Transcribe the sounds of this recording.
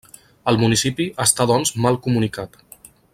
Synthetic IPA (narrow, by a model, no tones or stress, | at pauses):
əlˠmunisipiʔəst̪aðɔnzmalˠkumunikat̪